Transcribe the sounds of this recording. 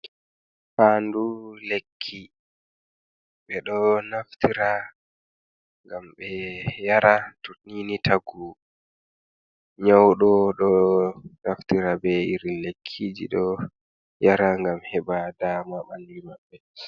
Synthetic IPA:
fandulekʰːi | ɓɛɗɔnaftiɾa | ŋɡamɓɛjaɾatuninitʰaɡu | ɲawɗɔɗɔnaftiɾabɛiɾilekʰːid͡ʒḭɗɔ | jaɾaŋɡamhɛɓadaːmaɓandimaɓːɛ

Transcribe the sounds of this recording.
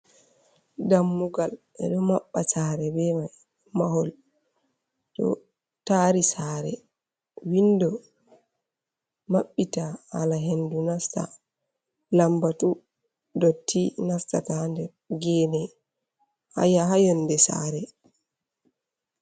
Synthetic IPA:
damːuɡal | ɛ̰ɗɔmaɓːasaːɾɛbɛmaj | maɦɔl | tɔ̰ | taɾisaːɾɛ̰ | windɔ | maɓːitaha̰laɦendunasta̰ | lambatu | dotʰːinastatandɛɾɡɛːnɛ | ha̰jaɦajɔndɛsa̰ɾɛ

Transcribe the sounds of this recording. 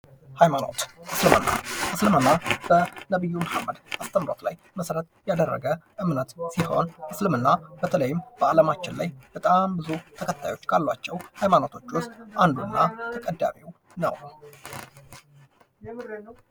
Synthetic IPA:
hajmano̰t̪ʔɨslɨmə̰nːa̰ʔɨslɨmənːab̥ənəβɨjːuməhamːəd̪ast̪ʰəmːɾo̞̰t̪laj | məsɾət̪jad̪ərːə̰ɡəʔɨmnət̪siho̞nʔɨslɨmɨnːabət̪ʰələjːɪmbəaləmat͡ʃːɪnlajb̥ət̪ʼambɨzut̪ʰəkʰət̪ʰːajo̞t͡ʃːkʰalːwat͡ʃːɛwhajmano̞t̪ʰo̞t͡ʃːwʊst̪ʔand̪unːat̪ʰəkʼəd̪ːa̰miw | nə̰w

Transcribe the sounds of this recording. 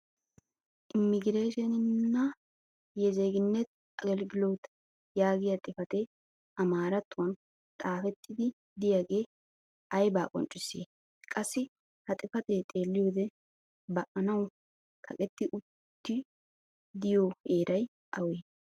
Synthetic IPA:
ʔɪmːɪɡɪɾeːʃɛnɪnːɐ | jɛzeɡɪnːɛt̪ | ɐɡɛlɡɪloːt̪ | jaːɡɪjɐt̪ʼɪfɐt̪ɛ | ʔɐmaːɾɐt̪ːʊwɐn | t̪ʼaːfɛt̪ʰːɪd̪ɪ | d̪ɪjaɡe̞ː | ʔɐjbaːkʼɔ̰nt͡ʃʼɪsːḛː | kʼɐsːɪ | hɐt̪ʼɪfɐt̪et̪ʼe̞ːlːɪjoːd̪ɛ | bɐʔɐnɐw | kʰɐ̰kʼɛt̪ːɪʔʊtt̪ːɪ | d̪ɪjoːeːɾʔɐj | ʔɐweː

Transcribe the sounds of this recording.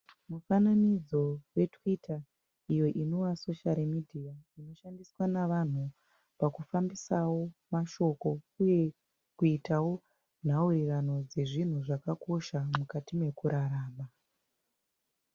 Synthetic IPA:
mufananid͡zo̞we̞twitʰa | ijo̞ʔino̞waso̞ʃalmidʱijaino̞ʃandiswanaʋan̤u | pakufambisawo̞maʃo̞ko̞uje̞ | kuitawo̞ | n̤aurirano̞d͡ze̞ʐin̤uʐakako̞ʃamukatime̞kuɾaɾaːma

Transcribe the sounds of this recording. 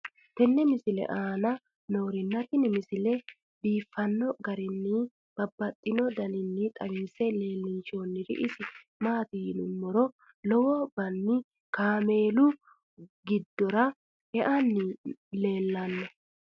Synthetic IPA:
t̪ɛnːɛmɪsɪlɛ̰ʔaːnɐ | noːɾɪnːɐt̪ɪnɪmɪsɪlɛ | biːfːɐnːɔɡɐɾɪnːɪ | b̥ɐbːɐt̪ʼːɪnɔd̪ɐnɪnːɪt̪ʼɐwisɛle̞ːlːɪnt͡ʃoːnːɪɾɪ̰ʔɪsɪ | maːt̪inʊmːɔɾɔ | lɔwɔbɐnːɪ | kaːme̞ːlʊ | ɡɪd̪ːɔɾɐ | ɛʔɐnːɪle̞ːlːɐnːɔ

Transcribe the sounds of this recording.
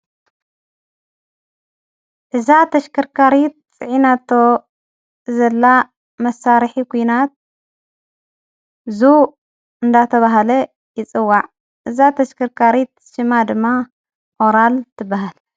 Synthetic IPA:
ʔɨzat̪ʰɐʃkʰɐɾkʰaɾit̪̚t͡sʼɨʕinat̪ʰo | zɐlːa | mɐsaɾħikʰujnat̪̚ | zu | ɨnd̪at̪ʰɐβaɦalɐ | jɪt͡sʼɨwːaʕ | ʔɨzat̪ʰɐʃkʰɐɾkʰaɾit̪̚ | ʃɨmad̪ɨmːa | ʔoɾalt̪ʰɨbaɦal

